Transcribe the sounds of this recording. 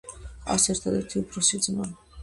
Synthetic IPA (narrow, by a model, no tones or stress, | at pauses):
a̰sɛɾt̪ʰad̪ɛɾt̪ʰiupʰɾɔsid̪zma